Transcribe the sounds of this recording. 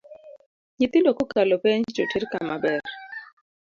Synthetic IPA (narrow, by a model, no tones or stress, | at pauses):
ɲit̪indɔkukalɔpɛɲd͡ʒd͡ʒotʰiɾkamabɛɾ